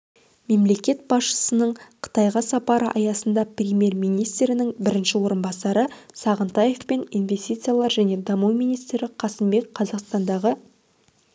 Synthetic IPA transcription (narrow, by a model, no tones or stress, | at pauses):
me̞mle̞kʲe̞t̪̚bɑsʃə̥sənəɴqʰə̥t̪ɑjʁɑsɑpɑɾə̰ʔɑjɑsənd̪ɑprʲemʲje̞ɾmijnijst̪ɾɪnɪŋbɪɾɪnʃɪwo̞ɾənbɑsɑɾəsɑʁənt̪ɑje̞fpe̞ninve̞st̪ijt̪sɨjalˠɑɾʒæne̞d̪ɑmuwmijnijst̪ɾɪqʰɑsəmbe̞k̚qʰɑzɑqst̪ɑnd̪ɑʁə